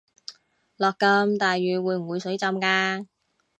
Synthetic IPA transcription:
lɔː˨kːɐ˧mt̪aː˨jːyː˨˩wuː˨˧jm̩˨˩wu˨˧jsɵ˨˥ɥt͡sɐ˧mkaː˧

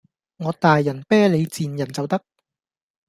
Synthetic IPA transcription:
ŋɔː˨˧t̪aː˨jːɐ˨˩npɛː˥le˨˧jt͡siː˨njɐ˨˩nt͡sɐ˨wt̪ɐ˥k̚

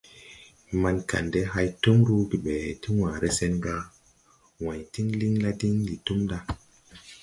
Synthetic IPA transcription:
ma˧nka̰˨nde˦ɦa˧jtu˦mɾu˦ɡi˨ɓɛ˨ti˦wãː˨ɾe˦se˦nɡa˦ | wã˨jti˦ŋli˦ŋla˦di˦ŋdi˨tu˦mda˦

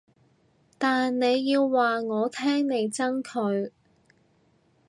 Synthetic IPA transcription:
t̪aː˨nne˨˧jːiː˧wːaː˨ŋɔː˨˧t̪ʰɛː˥ŋne˨˧jt͡sɐ˥ŋkʰɵ˨˧ɥ

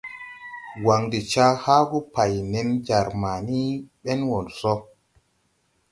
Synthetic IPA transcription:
wa˨ŋdi˨t͡ʃa˦ha˦ɡu˦pa˨jne˨nd͡ʒa˨ɾma˨ni˦ɓɛ˦nwo˨nsɔ˦

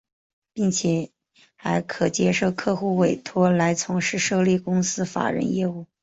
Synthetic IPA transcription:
pi˥˩ŋt͡ɕʰjɛ˨˩ | xa˧˥ɪkʰɤ˨˩t͡ɕjɛ˥ʂo˥˧ʊkʰɤ˥˧xu˥˩we˨˩ɪt̪ʰwɔ˥la˧˥ɪt͡sʰʊ˧˥ŋʂɻ̩˥˧ʂɤ˥˧li˥˩kʊ˥ŋsɹ̩˥fa̰˨˩ɻə̰˧˥njɛ˥˧u˥˩

